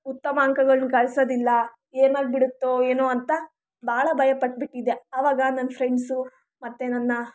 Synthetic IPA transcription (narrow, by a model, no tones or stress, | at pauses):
ut̪ːɐmɐːŋkɐɡɐɭunukɐɭsoːd̪ilːɐ | eːnaːɡibiɽut̪ːoeːnoːɐnt̪ɐ | bʱaːɭɐbʱɐjɐpɐʈ̚ːbiʈːid̪eɐʋaːɡɐnɐnːpʰɾeɳɖsu | mɐt̪ːenɐnːɐ